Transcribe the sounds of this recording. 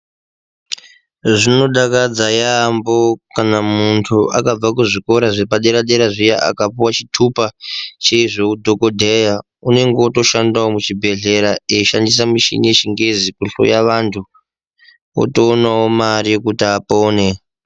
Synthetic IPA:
ʐino̞ɗakad͡zajambo̞kanamuntʰuʔakab͡vakuʐiko̞ɾaʐepaɗeɾaɗeɾaʐijaʔa̰kapuwat͡ʃitʰupat͡ʃeiʐokudʱo̞ko̞dʱeja | une̞ŋɡeoto̞ʃandawomut͡ʃibʱe̞ɮe̞ɾaeʃandis̬amiʃḭneʃiŋɡezikuɬo̰jaʋantʰu | o̰to̞ːnawomaɾikutiapoːne̞

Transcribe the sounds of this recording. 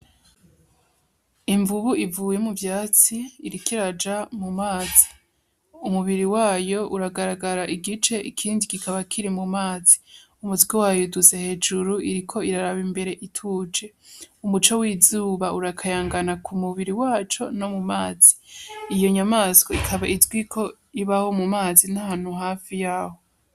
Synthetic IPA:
iɱvuβuʔivuːje̞muvjaːt͡siːɾikiɾad͡ʒamumaːzi | umuβiɾiwaːjo̞ʔuɾaɡaɾaɡaɾaʔiɡit͡ʃe̞ʔikʰiːndikikaβakʰiɾimumaːzi | umutɡiwaːjuduze̞he̞ːd͡ʒuɾuiɾikʰo̞iɾaɾaβimbe̞ɾe̞ʔitʰud͡ʒe̞umut͡ʃowiːzuːβauɾakʰajaːŋɡanakʰumuβiɾiwaːt͡ʃo̞no̞mumaːz̥iijo̞ɲamaskoikʰaβaʔizɡwikʰo̞ | iβaho̞mumaːzinahaːn̥huɦaːfijaːho̞

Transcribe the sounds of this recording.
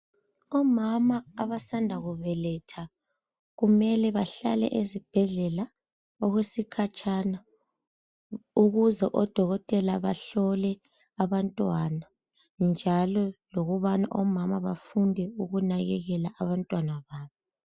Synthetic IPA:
ɔmamaːβasandʱaɣuβɛlɛtʰa | ɣumɛlɛβaɬa̰lɛ̰ʔezib̥ʱɛɮɛla | ɔɣwesikʰat͡ʃʼana | uɣuzɛʔɔd̥ʱɔɣɔtʼɛlaβaɬɔlɛ | aβantʼwana | nd͡ʒʱalɔloɣuβana̰ʔɔmamaβafundʱɛuɣunaɣɛɣɛlaʔaβantʼwanaβaːβɔ

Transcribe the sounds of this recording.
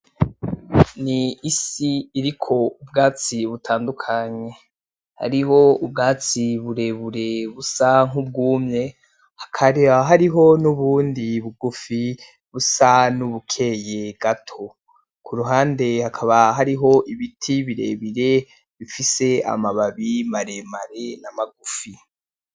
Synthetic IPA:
niːsiːɾikʰo̞ubɡaːt͡siβutʰaːndukʰaɲe̞ | ha̰ɾiɦo̞ubɡaːt͡siβuɾe̞βuɾe̞βusaŋub̚ɡuːmɲe̞ | hḁkʰaɦaɾiɦo̞nuβuːndiβuɡufi | βusanuβukʰe̞je̞ɡ̥atʰo̞ | kʰuɾuɦaːnde̞hakʰaβaɦaɾiɦo̞ʔiβitʰiβiɾḛːβiɾe̞ | βifise̞a̰maβaβimaɾe̞maɾe̞namaɡufi

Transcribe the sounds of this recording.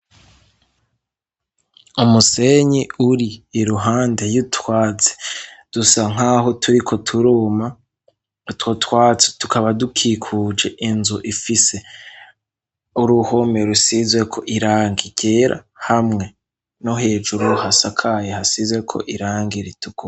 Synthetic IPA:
umuse̞ɲiuɾiːɾuɦaːnde̞jutʰwaːt͡se̥d̥usaŋ̥aːɦo̞tʰuɾikʰo̞tʰuɾoːma | twotwaːt͡se̥tukaβadukʰikʰuːd͡ʒe̞ʔinzuʔifise | uɾuhome̞ɾusizwe̞kʰo̞̰ʔiɾaːŋɡiɟ̥e̞ɾʔa̰hamŋe̞ | no̞ɦe̞ːd͡ʒuɾuhasakʰajehasizwe̞kʰo̞̰ʔiɾaːŋɡiɾitʰuɡu

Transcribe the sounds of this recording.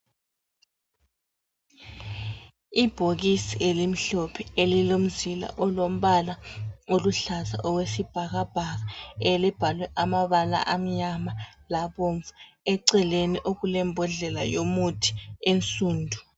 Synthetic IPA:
ib̥ʱoɣisielim̩ɬɔpʰɛelilom̩zila̰ʔɔlom̩βalaoluɬaza̰ʔɔwesib̥ʱaɣab̥ʱaɣaelib̥ʱalwɛʔamaβala̰ʔam̩ɲamalaβoɱvḁ | ɛǀɛleniʔoɣulɛmbʱɔɮɛlajomutʰi̥ent͡sʼuːndʱu

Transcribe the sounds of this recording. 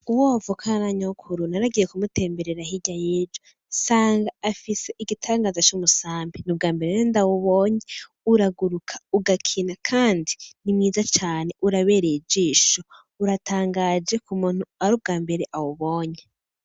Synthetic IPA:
uwovokʰanaɲokʰuɾunaɾaɡijekumute̞ːmbe̞ɾeɾaɦiɟajeːd͡ʒo | saːŋɡaːfise̞ʔiɡitʰaːŋɡaːzat͡ʃumusaːmbinub̚ɡaːmbeɾeendawoβoːɲe | uɾaɡuɾukʰḁuɡakʰinakʰaːndinimŋiːzat͡ʃaːne̞ʔuɾaβe̞ːɾed͡ʒiːʃo | uɾataːŋɡad͡ʒe̞kumuːn̥huaɾub̚ɡaːmbe̞ɾeʔawoβoːɲe

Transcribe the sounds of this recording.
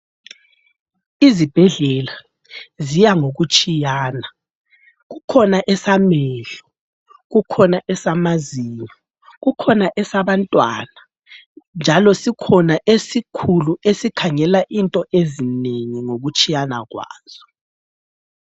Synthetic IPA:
izib̥ʱɛɮɛla | zijaŋoɣut͡ʃʼijaːna | ɣukʰɔnaʔɛsamɛːɮɔ | ɣukʰɔnaʔɛsamaziːɲɔ | ɣukʰɔnaʔɛsaβantʼwa̰ːna | nd͡ʒʱalɔsikʰɔnaʔesikʰuluesikʰaŋɛlaʔintʼɔʔezineŋiŋoɣut͡ʃʼijana̰ɣwa̰ːz̥ɔ

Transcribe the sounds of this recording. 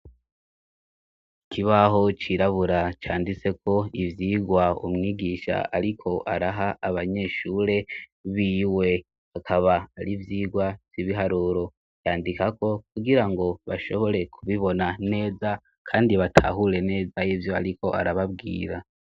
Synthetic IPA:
ikiβaɦo̞t͡ʃiɾaβuɾat͡ʃaːndit͡se̞ko̞ivjiːɡwaṵmŋiːɡiʃa̰aɾikʰo̞ʔaɾaɦaʔaβaɲe̞ʃuːɾe̞βiːwe̞ | hakʰaβaːɾivjiːɡwavjiβiɦaɾuːɾo̞ | jaːndikako̞kuɡiɾaŋɡo̞βaʃo̞βo̞ɾe̞kʰuβiβo̞nane̞ːza | kʰaːndiβatʰa̰ɦuɾe̞ne̞ːzajivjo̞aɾiko̞ʔa̰ɾaβabɡḭːɾa

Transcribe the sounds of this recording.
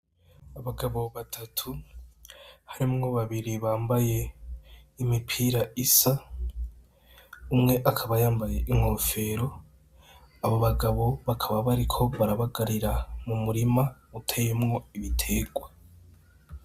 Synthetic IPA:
aβaɡaβo̞βatʰatʰu | haɾimŋo̞βaβiɾiβaːmbaje̞ | imipʰiːɾaisa | umŋe̞ʔakʰaβajaːmbaje̞ʔiŋ̥ho̞fe̞ːɾo̞ | aβo̞βaɡaβo̞βakʰaβaβaɾikʰo̞βaɾaβaɡaɾiɾamumuɾimautʰe̞ːje̞mŋo̞iβitʰe̞ɡwa

